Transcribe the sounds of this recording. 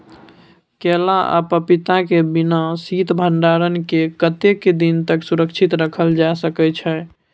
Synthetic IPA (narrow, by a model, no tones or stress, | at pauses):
kelaʔa̰pəpit̪akebinasit̪bʱənɖaɾənkekət̪ekːed̪int̪əksuɾəkt͡ʃʰit̪ɾəkʰəld͡ʒasəkɛt͡ʃʰɛ